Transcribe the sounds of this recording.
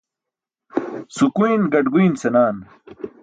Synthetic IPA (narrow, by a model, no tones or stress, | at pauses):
sukuinɡɐʈɡuinsenaːn